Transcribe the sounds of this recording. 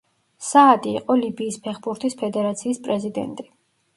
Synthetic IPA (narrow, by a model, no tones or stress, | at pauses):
saːd̪iːqʼɔlibiːspʰɛχbuɾt̪ʰispʰɛd̪ɛɾat̪sʰiːspʼɾɛzid̪ɛ̰nt̪ʼi